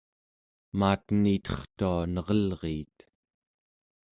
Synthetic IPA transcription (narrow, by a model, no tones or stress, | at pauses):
maːt̪nit̪ʌχt̪uanʌʁʌlʁiːt̪